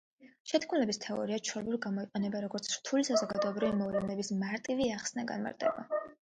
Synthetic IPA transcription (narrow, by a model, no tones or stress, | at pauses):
ʃɛt̪ʰkʰmulɛbist̪ʰɛɔ̰ɾiaʃʰɔlɛbuliɡamɔiqʼɛnɛbaɾɔɡɔɾt̪sʰɾt̪ʰulisazɔɡad̪ɔɛbɾivimɔvlɛnɛbismaɾt̪ʼiviaχsnaɡa̰nma̰ɾt̪ʼɛba̰